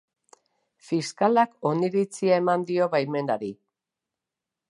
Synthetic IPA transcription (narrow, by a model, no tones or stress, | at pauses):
fiskalako̞niɾit͡siae̞mand̪io̞βajme̞naɾi